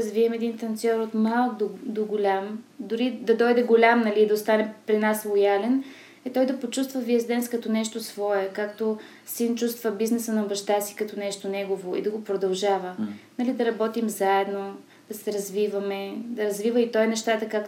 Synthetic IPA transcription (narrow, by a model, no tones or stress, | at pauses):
ɐzviɛmɛd̪int̪ɐnt̪sʲɔɾot̪malˠd̪od̪oɡolʲamd̪ʊɾid̪ɐd̪ɔjd̪ɛɡolʲamnɐliːd̪ɐost̪anɛpɾinaslˠojalɛn | ɛt̪ɔjd̪ɐpot͡ʃust̪vəviəzd̪ɛnskɐt̪ɔnɛʃt̪osvɔɛkakt̪o | sint͡ʃust̪vəbiznɛsənɐbɐʃt̪asi̥kɐt̪onɛʃt̪onɛɡovoḭd̪ɐɡopɾod̪ɐlˠʒavənɐlid̪ɐɾɐbɔt̪imzaɛd̪no | d̪ɐsɛɾɐzvivəmɛd̪ɐɾɐzvivəit̪ɔjnɛʃt̪at̪əkak